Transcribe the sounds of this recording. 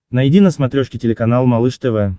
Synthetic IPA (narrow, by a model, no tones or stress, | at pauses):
nɐjɪdʲinɐsmat̪ɾʲoʂkʲɪtʲɪlʲɪkanalˠmalˠɨʂt̪ɛvɛ